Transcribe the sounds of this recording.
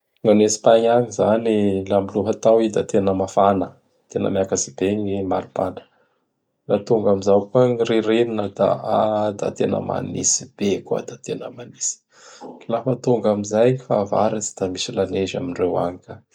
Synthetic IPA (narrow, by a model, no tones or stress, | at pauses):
ŋanesi̥paɲaɲizanilambiluɦət̪awid̪at̪enəmafanə | t̪enə̰mjakasibeɲimaɾupanə̥ | lat̪uŋɡamizawkaŋiɾeɾeninəd̪a̰ad̪a̰t̪enə̰ma̰nḭsi̥b̥eka̰d̪at̪enəmanisi̥ | lafət̪uŋɡamizajifava̰ɾit͡si̥d̪̥amisilaneza̰minrewa̰ɲika